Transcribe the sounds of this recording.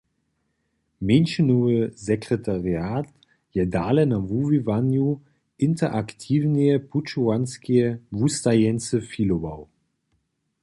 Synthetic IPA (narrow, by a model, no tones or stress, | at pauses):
menʃənoəzɛkʁ̥ɛtʰaʁjaːt | jɛdaːlɛnavuvivanju | ʔɪntʰɐʔaktʰiːvniəpʰut͡ʃuanskʰiəvustajɛnt͡səfilovaʊ